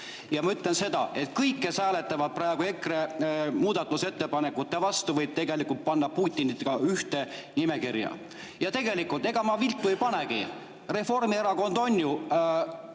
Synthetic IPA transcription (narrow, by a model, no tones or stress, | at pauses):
jɑmɑyt̪ˑlense̞d̪̥ɑ̰e̞t̪̚kɤjkːesæːle̞t̪ːˑɑvɑd̪̥̚præeɡ̥ue̞kremuːd̪̥ɑt̪ːˑuse̞t̪ːe̞pɑnekːˑut̪ːe̞vɑst̪uvɤjb̥̚t̪e̞ɡe̞likːˑult̪̚pɑnːɑpuːt̪ʲːˑinit̪ːɡɑyht̪e̞nime̞kirjɑ̰ | jɑt̪e̞ɡe̞likːˑult̪e̞ɡ̥ɑmɑvilt̪ːˑuejpɑneɡi | re̞fo̞rmieɾɑko̞nd̪̥o̞nʲːju